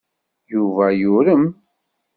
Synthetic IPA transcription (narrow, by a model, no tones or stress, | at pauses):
juvæjʊɾəm